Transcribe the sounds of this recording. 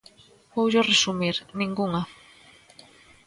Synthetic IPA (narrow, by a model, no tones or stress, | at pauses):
powʒoresumiɾnĩŋɡuŋɐ